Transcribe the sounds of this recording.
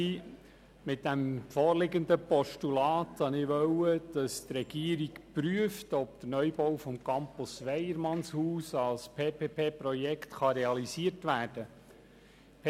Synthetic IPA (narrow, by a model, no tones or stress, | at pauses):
i | mɪt̚dæmfɔːrlɪɡənd̪əpɔʃtulɑːt̪hɑnɪʋœwəd̥ɑstrɛɡ̥iəɾikpɾyəftɔp̚d̪əɾnœjbɔwfɔmkɑmpusʋɛjəɾmɑnshuːsɑlspʰeːpʰeːpʰeːpɾɔjɛktχɑɾeɑlisiətʋæːrd̥ə | p